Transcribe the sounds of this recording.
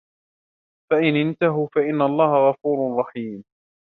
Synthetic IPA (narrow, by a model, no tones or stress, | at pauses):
faʔɪnʔɪnt̪aɦʊfaʔɪnːaʔɑlˤːɑːhaɣɑfuːɾrˤɑħiːm